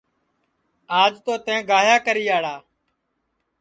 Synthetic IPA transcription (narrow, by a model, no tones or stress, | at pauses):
aːd͡ʒt̪oːt̪ẽːɡaːjaːkəɾiːaːɽaː